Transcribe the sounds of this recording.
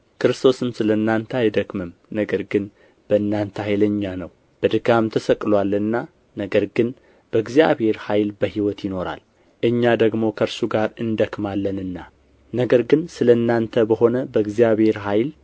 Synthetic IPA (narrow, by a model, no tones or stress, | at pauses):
kɨɾɨst̪ʰo̞sɨmsɨləɨnːant̪ʰəajd̪əkmɨmnəɡəɾɡɨn | b̥əɨnːant̪ʰəhajləɲːanəw | b̥əd̪ɨɡamt̪ʰəsəkʼlwalɨnːa | nəɡəɾɡɨn | b̥əɡzijaβhe̞ɾhajlbəhiwɔt̪jɪno̞ɾa̰l | ʔɨɲːad̪əɡmo̞kʰəɾsuɡaɾɨnd̪əkmalːənɨnːa | nəɡəɾɡɨnsɨləɨnːant̪ʰəbəɦo̞nəbəɨɡzijaβhe̞ɾɦajl